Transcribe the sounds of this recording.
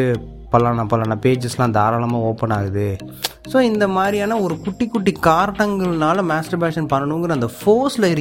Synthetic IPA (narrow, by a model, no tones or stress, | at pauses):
pɐlaːnɐpɐlaːnɐpeːd͡ʒɐslãːɐnd̪aːɾaːlɐmaːoːpːɐnaːɣɯðɯ | soːɪnd̪ɐmaːd̪ɾijaːnɐɔɾɯkʊʈːikːʊʈːikaːɾʈɐŋɡɐɭnaːlɐmaːsʈɐɾpaːʂɐnpɐnːɐɳɯʋŋɡɐɾɐnd̪ɐfoːslɐɪɾɯ